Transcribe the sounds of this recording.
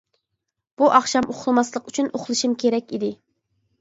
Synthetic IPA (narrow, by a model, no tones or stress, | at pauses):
b̥uʔɑχʃɑmoχlˠɨmɑslˠəqyt͡ʃʰynoχlˠɨʃimkʲʰeɾɛkʲid̪ɪ